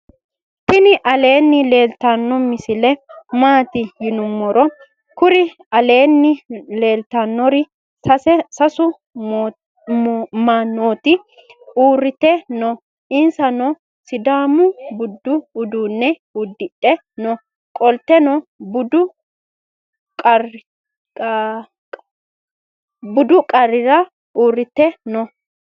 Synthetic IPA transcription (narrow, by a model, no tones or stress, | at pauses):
tɪnɪʔɐle̞ːnːɪle̞ːlt̪anːɔmɪsɪlɛmaːt̪ɪjɪnʊmːɔɾɔ | kʊɾɪ | ɐle̞ːnːɪle̞ːlt̪anːɔɾɪ | sɐsɛsɐsʊ | maːnːoːt̪ɪ | uːrːɪt̪ɛnɔ | ɪnsɐnɔ | sɪd̪aːmʊbʊd̪ːʊːd̪uːnːɛ | ud̪ːɪɗɛ | nɔ | kʼɔlt̪ɛnɔbʊd̪ʊ | kʼɐ | bʊd̪ʊkʼɐrːɪɾɐ | uːrːɪt̪ːɛnɔ